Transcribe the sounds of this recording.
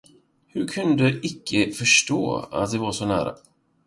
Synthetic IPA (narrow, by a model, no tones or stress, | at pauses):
hɵɾkʰɵnd̪əʔɪkʰːəfœʂʈo̰ːa̰t̪̚d̪ɛvaʂɔnæ̰ːɾa̰